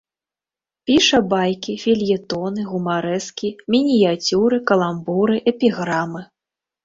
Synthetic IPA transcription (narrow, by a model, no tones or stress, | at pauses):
pʲiʂɐbajkʲifʲilʲjɛt̪ɔnɨɣumaɾɛskʲimʲinʲijat͡sʲuɾɨkɐlˠambuɾɨʔɛpʲiɣɾamɨ